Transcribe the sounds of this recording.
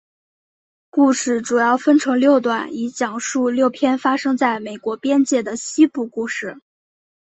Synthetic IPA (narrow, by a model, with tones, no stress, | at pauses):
ku˥˧ʂɻ̩˥˩ʈ͡ʂu˨˩jɑ˥˩ʊfə˥nʈ͡ʂʰɤ˧˥ŋljo˥˧ʊt̪̬wa˥˩ni˧˥t͡ɕjɑ˨˩ŋʂu˥˧ljo˥˩ʊpʰjɛ˥nfa˥ʂɤ˥ŋt͡sa˥˩ɪme˨˩ɪkwɔ˧˥pjɛ˥nt͡ɕjɛ˥˩d̪ə˩ɕi˥pu˥˧ku˥˧ʂɻ̩˥˩